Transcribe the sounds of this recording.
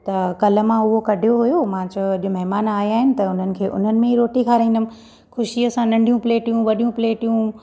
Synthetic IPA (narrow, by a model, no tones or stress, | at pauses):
t̪ɐkɐlə̆mãʊɦokɐɖʱijoɦʊjomãːt͡ɕɐɐɗomɐɦɪmaːnaːjaːɦɪnɪ̆t̪ɐʊn̤ənɪ̆kʰeːʔʊ̰n̤ənɪ̆mẽɦiɾoːʈikʰaːɾĩːnd̪əm̆ | xʊʃiɐsãnɐ̃ɳɖʱijũpleːʈijũʋɐɗijũpleːʈijũ